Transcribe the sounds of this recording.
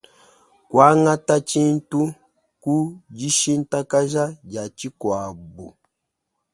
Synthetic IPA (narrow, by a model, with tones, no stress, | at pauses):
kwa˦ŋa˦ta˦t͡ʃi˦n̩˦tu˦ | ku˦d͡ʒi˦ʃi˦n̩˦ta˦ka˦ʒa˦ɟa˨t͡ʃi˦kwa˨bu˨